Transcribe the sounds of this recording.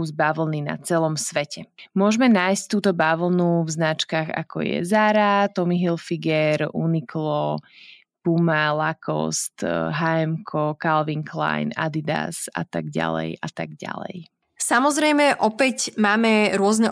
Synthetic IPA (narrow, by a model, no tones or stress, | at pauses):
uzbaʋl̩ˠnina̰t͡sɛlɔmsʋɛcɛmʊɔʒmɛnaːjsct̪uːt̪ɔbaʋl̩ˠnuvznat͡ʃkaɣa̰kɔ̰jɛ̰zaɾat̪ɔmiɦilfiɡɛɾuniklɔ | pumalakʰɔ̰st̪ɦaɛmkʰɔkalʋiŋkla̰jna̰d̪id̪a̰sa̰t̪aɡɟa̰lɛ̰jat̪aɡɟa̰lɛ̰j | samɔzɾɛjmɛʔɔpɛcmaːmɛɾʊɔznɛ